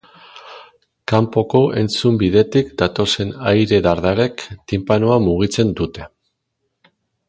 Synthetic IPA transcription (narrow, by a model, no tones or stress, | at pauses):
kampo̞ko̞ʔe̞nt͡sumbiðe̞t̪ikd̪at̪o̞se̞najɾe̞ðaɾðaɾe̞kt̪impanoamuɣ̞it͡se̞nd̪ut̪e̞